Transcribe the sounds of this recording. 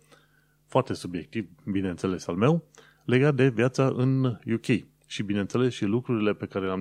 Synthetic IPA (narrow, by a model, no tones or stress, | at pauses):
foart̪e̞subje̞k̚t̪ivbine̞nt̪se̞le̞salme̞w | le̞ɡat̪̚d̪e̞vjat̪saʔɨnjukʲej | ʃibine̞nt̪se̞le̞sʃilukɾuɾile̞pe̞kaɾe̞leam